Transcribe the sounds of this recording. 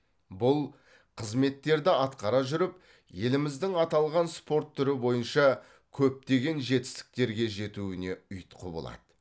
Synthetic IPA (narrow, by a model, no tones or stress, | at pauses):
bʊlˠ | qʰəzme̞t̪ːe̞ɾd̪ɪɑt̪qɑɾɑʒʏɾɪp̚ | je̞lɪmɪzd̪ɪŋɑt̪ɑlˠʁɑnspo̞ɾt̪ʰːʏɾɪbo̞jənʃɑ | kʲʰɵp̚t̪e̞ɡʲe̞nʒe̞t̪ɪ̥st̪ɪ̥k̚t̪e̞ɾɡʲe̞ʒe̞t̪uɪne̞ʏjt̪qʰəbo̰lˠɑ̰d̪̥ə